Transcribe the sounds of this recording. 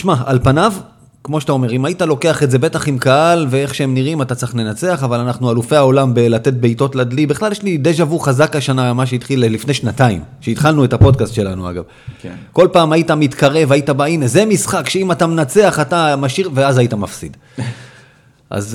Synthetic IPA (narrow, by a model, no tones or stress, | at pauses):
ʃmaalpanav | kmo̞ʃtao̞me̞ʁimaitalo̞ke̞aχe̞tze̞be̞taχimkaalve̞e̞χʃeemniʁimatatt͡siχle̞nat͡se̞aχavalanaχnualufe̞jao̞lambelate̞t̚be̞ito̞tladlibiχlaljeʃlid̪eʃ̬avuχazakaʃanamaʃ̬eit̪χilelifne̞ʃnataḭmʃeit̪χalnuetapo̞dkast̪ʃe̞lanua̰ɡa̰v | ko̞lpaːmajitamitkaʁe̞vaitabaineze̞misχakʃeimatamenat͡se̞aχatamaʃiʁve̞azaitamafsḭd | ʔa̰z